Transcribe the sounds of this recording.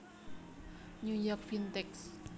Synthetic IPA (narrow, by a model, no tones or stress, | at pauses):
nujɔk̚fint̪ɛks